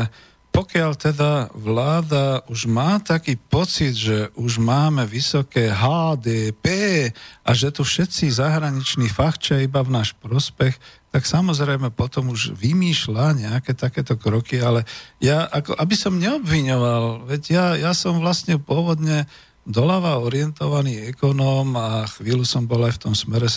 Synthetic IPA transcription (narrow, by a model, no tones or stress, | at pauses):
pɔkɪaʎt̪ɛd̪aʋlaːd̪auʒmaːt̪akiːpɔt͡sid̪ʒɛʔuʒmaːmɛʋisɔkɛːɦaːd̪ɛpɛːʔaʒɛt̪ufʃɛt̪t͡sizaɦɾaɲit͡ʃniːfaxt͡ʃaibavnaːʃpɾɔspɛxt̪aksamɔzɾɛjmɛpɔt̪ɔmuʒʋimiːʃlaɲɛakɛt̪akɛːt̪ɔkɾɔkialɛjaʔakɔ̰ʔabisɔmɲɛɔbʋiɲɔʋalʋɛɟjajasɔmʋlast̪ɲɛpʊɔʋɔd̪ɲɛ | d̪ɔlaʋaɔɾɪɛnt̪ɔʋaniːɛkɔnɔmaxʋiːlusɔmbɔlajft̪ɔmsmɛɾɛ